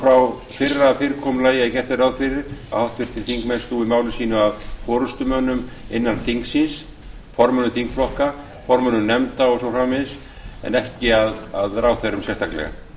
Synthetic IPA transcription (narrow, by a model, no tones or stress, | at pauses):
fɾaw | fɪɾːafɪɾkʰɔmlaːjaicɛr̥t̪arawðfɪɾɪɾa̰ðhawht̪vɪɾ̥t̪ʰɪlθiŋkmɛnst̪uːɪmaːwlɪsiːnʏaðfɔːɾʏst̪ʏmœnʏmɪnːanθiŋksɪns | fɔɾmœnʏθiŋkflɔhka | fɔɾmœnʏnɛmt̪aɔsɔwfɾaːmɪðs | ɛ̰nɛhcɪaðaðɾaːwθeɾʏmsjɛst̪ʰaklɛ̰ɣa̰